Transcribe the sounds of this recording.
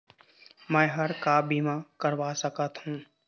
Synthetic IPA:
mɛ̃ːɦɐɾkabiːmakəɾʋaːsəkət̪ɦũː

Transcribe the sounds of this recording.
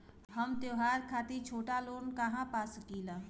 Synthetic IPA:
həmt̪joːɦaːɾkʰaːt̪it͡ʃʰoːʈaloːnkaɦãpaːsəkiːlaː

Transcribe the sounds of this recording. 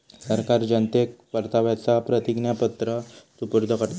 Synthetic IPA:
səɾkaɾd͡ʑənt̪ek̚ʋəɾt̪aʋjat͡sapɾət̪iɡnjapət̪ɾəsupuɾd̪ʱəkəɾt̪

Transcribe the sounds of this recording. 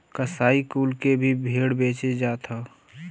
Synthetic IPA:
kəsaːikuːlkebʱibʱeɽbeːt͡ʃed͡ʒaːt̪ʰa

